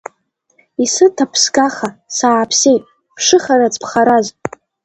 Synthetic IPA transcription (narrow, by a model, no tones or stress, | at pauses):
isɨtʰapʰsɡʼaχasaːpʰsejtʼ | pʰʂɨχaɾat͡sʰʼpʰχaɾaz